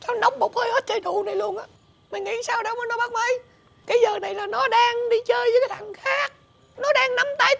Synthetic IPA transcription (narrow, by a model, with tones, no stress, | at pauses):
sa˧na˧wŋ͡mmo˨˩k͡p̚həː˧jhə˦˥t̚t͡ɕə˧jt̪u˨˩na˨˩jlu˧˩ənʔaː˨ | mï˨˩ŋŋḭ˧˩˦saː˧wɗo˨˦mə˨˦nɔ˨˦ɓaː˦˥k̚mə˧j | kaː˨˦jzəː˨˩na˨˩jlaː˨˩nɔ˨˦ɗaː˧ŋɗi˧t͡ɕəː˧jvəː˨˦kaː˨˦t̪ʰa˨˩ŋxaː˦˥k̚ | nɔ˨˦ɗaː˧ŋna˧mt̪a˧j